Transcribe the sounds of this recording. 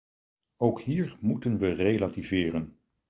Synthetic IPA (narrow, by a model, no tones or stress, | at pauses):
owkɦiːɹmutənʋərejlativɪːrən